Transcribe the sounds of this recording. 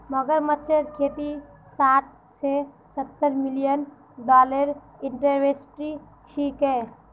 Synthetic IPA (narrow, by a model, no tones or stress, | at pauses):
məɡəɾmətːt͡ʃʰəɾkʰet̪i | saːʈ̚ | se | sət̪ːəɾmilijən | ɖɔləɾ | iɳʈəɾʋesʈɾi | t͡ʃʰikɛ